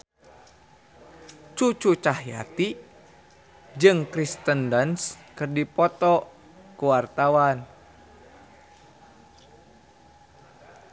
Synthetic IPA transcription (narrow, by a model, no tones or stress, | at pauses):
t͡ʃut͡ʃut͡ʃahja̰t̪i | d͡ʒɨŋkɾist̪əndənskɨrdipɔt̪ɔ | kuwart̪awan